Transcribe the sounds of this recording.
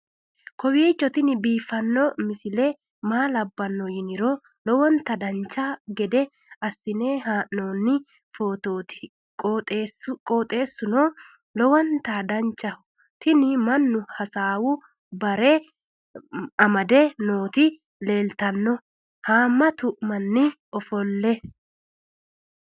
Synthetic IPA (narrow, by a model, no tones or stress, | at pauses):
kɔwiːt͡ʃːɔt̪ɪnɪbiːfːɐnːɔmɪsɪlɛ | maːlɐbːɐnːɔjɪnɪɾɔ | lɔwɔnt̪ɐd̪ɐnt͡ʃːaɡɛd̪ɛ | ɐsːɪneːɦaːʔnoːnːɪ | foːt̪oːt̪ɪ̥ | kʼːt̪ʼːkʼoːt̪ʼe̞ːsːʊnɔː | lɔwɔnt̪aːd̪ɐɲt͡ʃːɐ | t̪ɪnɪmɐnːʊhɐsaːwʊ | bɐɾe | ɐmɐd̪ɛnoːt̪ɪ | le̞ːlt̪ɐnːɔ | haːmːɐt̪ʊʔmɐnːɪ | ɔfɔlːɛ